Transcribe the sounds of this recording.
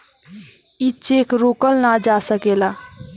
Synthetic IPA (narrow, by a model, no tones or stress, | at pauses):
it͡ʃekɾokəlnad͡ʒasəkela